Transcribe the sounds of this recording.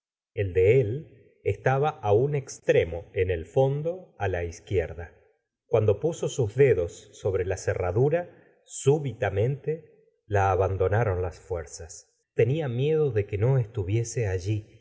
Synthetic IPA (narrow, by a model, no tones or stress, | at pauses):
eld̪eel | est̪aβaʔaunekst̪ɾe̞mo̞ene̞lfo̞nd̪o̞alaiskjeɾða | kwand̪o̞puso̞suzðe̞ðo̞sːo̞βɾe̞laseraðuɾa | suβit̪amẽ̞nt̪e | laːβand̪o̞naɾo̞nlasfweɾsas | t̪e̞niamje̞ðo̞ðe̞ke̞no̞est̪uβje̞seaʒi